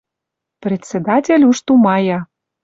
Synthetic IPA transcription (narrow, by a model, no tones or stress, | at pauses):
prʲet͡sʲːed̪atʲelʲuʃt̪umɑjɑ